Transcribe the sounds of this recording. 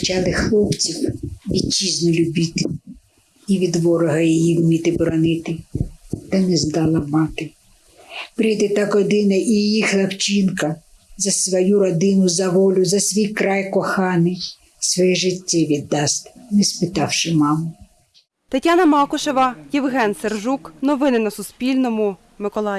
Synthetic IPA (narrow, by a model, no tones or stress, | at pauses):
t͡ʃɑlˠɪxlˠɔpt͡sʲiwʋʲid̪̚t͡ʃiznʊlʲʊbʲit̪ɪ | iʋʲid̪ʋɔɾɔɦɐjɛjiwmʲit̪ɪbɾɔnɪt̪ɪt̪ɐnɛzd̪ɑlˠɐmɑt̪ɪ | pɾʲijd̪ɪt̪ɑkɔd̪ɪnɐʔijixlˠɐwt͡ʃinkɐ | zɐsʋɔjuɾɔd̪ɪnʊzɐʋɔlʲʊzɐsʋʲijkɾɑjkɔxɑnɪj | sʋɔjɛʒɪtʲːɛʋʲid̪ːɑst̪ʲnɛspɪt̪ɑwʃɪmɑmʊ | t̪ɐtʲːanɐmɑkʊʃɔʋɐjiwɦɛnserʒuknɔʋɪnɪnɐsʊspʲilʲnɔmʊ | mɪkɔlˠɑ